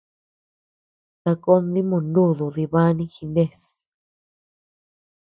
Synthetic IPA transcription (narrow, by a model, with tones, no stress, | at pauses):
t̪a˧ko˦nd̪i˦mũ˧˨ndũ˦˨ðu˨ði˧βa˦nĩ˦xi˧nẽ˦˧s